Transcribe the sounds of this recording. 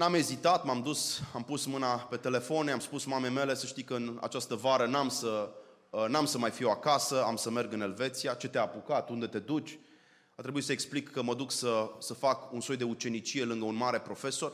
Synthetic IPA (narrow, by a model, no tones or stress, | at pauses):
name̞zit̪at̪mamd̪usampusmɨnape̞t̪e̞le̞fo̞namspusmamejme̞le̞səʃt̪ijkəɨna̰t͡ʃast̪əvaɾənamsə | namsəmajfiwakasəamsəme̞rɡɨne̞lve̞t̪siat͡ʃe̞t̪eapukat̪und̪e̞t̪e̞d̪ut͡ʃʲ | art̪ɾebuit̪səeksplikʰːəməd̪uksəsəfakunso̞jd̪e̞ut͡ʃe̞nit͡ʃije̞lɨŋɡəunmaɾe̞pɾo̞fe̞so̞r